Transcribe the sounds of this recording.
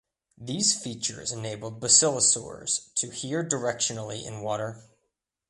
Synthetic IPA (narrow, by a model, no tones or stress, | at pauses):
ðiz̥fit͡ʃə̰˞zɨneɪbl̩ˠd̚bəsɪlˠəsɔ̰ɹz̥tʰɨhiɹdə˞ɛkʃɨnl̩ˠiʔɪ̰̃nwɔɾə˞